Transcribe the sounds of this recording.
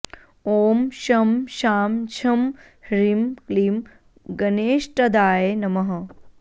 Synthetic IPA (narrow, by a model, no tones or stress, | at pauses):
oːmʃɐmʃaːmt͡ʃʰɐm | hɾimklim | ɡɐneːʃʈɐd̪aːjenɐmɐɦɐ